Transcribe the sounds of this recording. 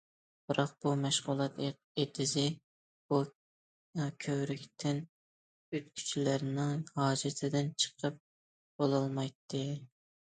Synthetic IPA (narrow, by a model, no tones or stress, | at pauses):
b̥ɨɾɑq̚b̥umɛʃʁʊlˠɑt̪eq | et̪ʰɪzɪ | bu | kʲʰøwɾykʲt̪ʰɪn | øt̪kʲʰy̥t͡ʃʰilæɾnɪŋhɑːd͡ʒɪt̪ʰɪd̪ɪnt͡ʃʰə̥qʰəp̚ | b̥olˠɑlˠmɑjt̪ʰːɨ